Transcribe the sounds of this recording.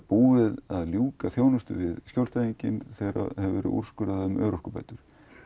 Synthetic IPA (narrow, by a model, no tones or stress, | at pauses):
puːvɪðaðljuːkaθjoːwnʏst̪ʏ̰vɪðscjowlst̪ajiɲcɪnθɛjɾa̰hɛvvɛːɾɪ̰ʔṵɾ̥skʏɾaððʏmʔœ̰ːɾɔhkʏpa̰jt̪ʏɾ̥